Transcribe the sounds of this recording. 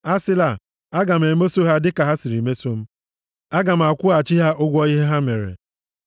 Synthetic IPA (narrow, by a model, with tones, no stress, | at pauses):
a˦sɪ˦la˨ | a˦ɡa˨m̩˨e˨me˦so˦ɦa˦dɪ˦ka˨ɦa˦si˨ɾi˨me˦so˦m̩˦ | a˦ɡa˨m̩˨a˨kʷʊ˦a˨t͡ʃi˦ɦa˦ʔʊ˦ɡʷɔ˦i˦ɦe˦ɦa˦me˨ɾḛ˨